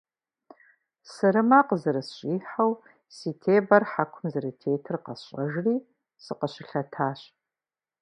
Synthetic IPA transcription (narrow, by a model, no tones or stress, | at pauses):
sɨɾɨmaqəzɨɾɨsɕʼiːħaw | siːtʰeːbɐrħakʷʰʊmzɨɾɨtʰeːtʰɨrqɐsɕʼɐʒriː | sɨqəɕɪɬɐtʰaːɕ